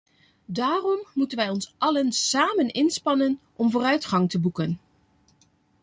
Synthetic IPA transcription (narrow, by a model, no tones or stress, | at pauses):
daːrɔmːutənʋɛjɔnsʔɑlənsaːmənɪnspɑnənʔɔmvoːrœɥtχɑŋtəbukən